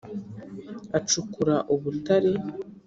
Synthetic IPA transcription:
at͡ʃukuɾaʔuβutaɾe

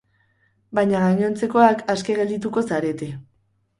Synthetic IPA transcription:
bajɲaɣaɲo̞nt͡se̞ko̞akaske̞ɣe̞ld̪it̪uko̞saɾe̞t̪e

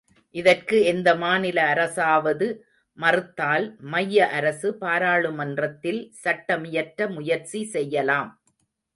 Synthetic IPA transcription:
ʔɪðɐrkɯɛnd̪ɐmaːnɪlɐːɾɐsaːʋɐðɯ | mɐrɯt̪ːaːlmɐjːɐʔɐɾɐsɯpaːɾaːɭɯmɐndrɐt̪ːɪlsɐʈːɐmɪjɐɾʈɾɐmʊjɐɾt͡ʃisɛjːɐlaːm

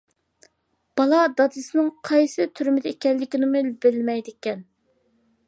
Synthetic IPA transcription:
b̥ɑlˠɑd̪ɑd̪ɨsɨnɨŋqʰɑjsɨt̪ʰyɾmɪd̪ɪekʲɛlːɪkʲinɨmʊilbɪlmɛjd̪ɪkʲɛn

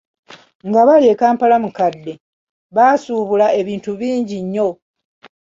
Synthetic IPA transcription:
ŋɡaβalie̞kaːmpalamukadːe̞ | βaːsuːβulae̞βiːntuβiːɲɟiɲːo̞

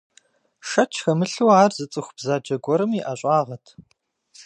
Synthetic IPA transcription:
ʃɐt͡ʃʰxɐmɨɬuːaːrzɨt͡sʼɨxʷb̥zaːd͡ʒɐɡʷɔɾɨmiːʔɐɕʼaːʁɐtʰ

